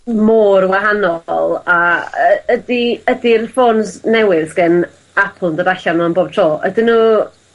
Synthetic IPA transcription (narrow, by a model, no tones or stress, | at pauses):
moːrwaɦanɔlˠaəədiədirfoːnznɛwɨðɡ̥ɛn | apʰl̩ˠndəɾaɬanɔənboːb̚tʰroːʔə̰dɪnu